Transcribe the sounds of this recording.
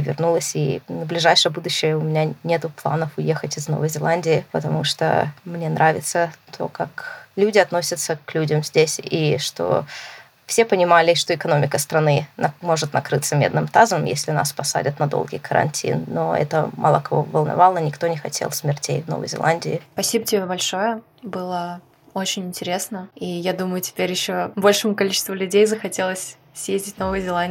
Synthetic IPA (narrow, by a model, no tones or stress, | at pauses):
vʲɪ̰rnulˠəsʲinəblʲɪʐajʂɨjəbud̪ʊɕːɪjəʊmʲɪnʲanʲe̞t̪ʊplˠa̰nəfʊjexətʲɪzno̞̰vəjzʲɪlˠanʲdʲɪɪpət̪ɐmuʂt̪o̰mnʲenɾʔavʲɪt̪sət̪ʰo̞̰kaklʲudʲɪɐt̪no̞sʲət̪səklʲudʲəmzʲdʲesʲiʂt̪o̰ | fsʲe̞pənʲɪmalʲɪʂt̪oɪkɐno̞mʲɪkəst̪ɾɐnɨnmo̞ʐɨt̪nɐkɾɨt̪səmʲed̪nɨmt̪azəmjḛsʲlʲɪna̰spɐsa̰dʲɪt̪nɐd̪o̰lˠɡʲḭjkʰəɾɐ̰nʲtʲʰḭnːoɛ̰t̪ə̰ma̰lˠəkɐvo̰vəlˠnɐ̰vɑlˠənʲɪkt̪o̞nʲɪxɐtʲʰḛlˠsʲmʲɪrtʲḛjvnovə̰jzʲɪ̰lˠanʲdʲɪɪpɐsʲibətʲɪbʲebɐlʲʂo̞jə | bɨlˠə | o̞t͡ɕɪnʲɪnʲtʲɪɾʲe̞snəijad̪uməjʊtʲɪ̥pʲeɾʲjɪɕːobo̞lʲʂɨmʊkɐlʲit͡ɕɪ̥st̪vʊlʲʉdʲejzəxɐtʲe̞lˠəsʲ | sjezʲdʲɪt̚ʲno̞vɨjəzʲɪlˠanʲ